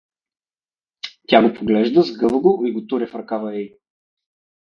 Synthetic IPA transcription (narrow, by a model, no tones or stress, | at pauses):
t̪ʲaɡopʰoɡlɛʒd̪əzɡɤlˠɡʊiɡot̪uɾʲɛfɾkavɐɛj